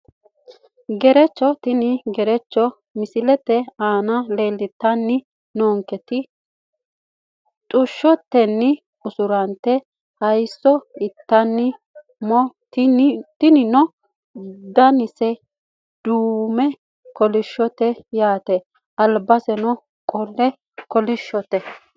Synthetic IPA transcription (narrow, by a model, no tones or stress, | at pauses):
ɡɛɾɛt͡ʃːɔt̪ɪnɪɡɛɾɛt͡ʃːɔ | mɪsɪlɛt̪ːɛaːnɐle̞ːlːɪt̪ːɐnːɪ | noːŋkɛt̪ɪ | t̪ʼʊʃːɔt̪ːɛnːɪ | ʊsʊɾɐnt̪ːɛ | hɐjsːɔɪt̪ːɐnːɪ | mɔ | t̪ɪnɪnɔ | d̪ɐnɪsɛ | d̪̥uːmɛ | kɔlɪʃːɔt̪ɛjaːt̪ɛ | ʔɐlbɐsɛnɔ | kʼɔlːɛ | kɔlɪʃːɔt̪ɛ